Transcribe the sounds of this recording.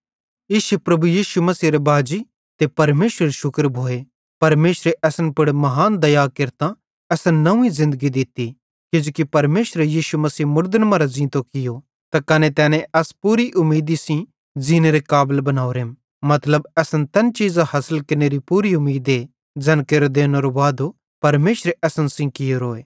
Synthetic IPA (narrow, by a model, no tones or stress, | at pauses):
ɪʃepɾɐbujiːʃumɐsiːɾebʱaːd͡ʒi | t̪epɐɾmeːsɾeɾeʃʊkəɾbʱoːe | pɐɾmeːʃɾeʔɛːsənpʊɽmɐɦaːnd̪ɐjakɪɾt̪ã | ɛːsnnɐũĩzɪ̃nd̪əɡid̪ɪt̪i | kɪd͡ʒoːkipɐɾmeːʃɾejiːʃumɐsiːmʊɾd̪ənmãɾazĩːt̪okɪjo | t̪akɐnet̪ɛːnɛ̃ʔɐspuːɾiʔʊmiːd̪isĩ | d͡ʒineɾekaːblbɐnaːuɾem | mɐt̪ləbɛːsənt̪ɐnt͡ʃiːzahɐsəlkɪneːɾipuːɾiʊmiːd̪e | d͡ʒɛːnkeɾod̪eːnoɾoʋaːd̪o | pɐɾmeːʃɾeʔɛːsənsĩkɪjoɾoːeː